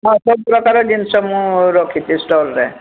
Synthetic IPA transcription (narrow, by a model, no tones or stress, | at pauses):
ɦãsɔb̚pɾɔkaɾɔd̪insɔmũɾɔkʰit̪isʈɔlɾɛ̰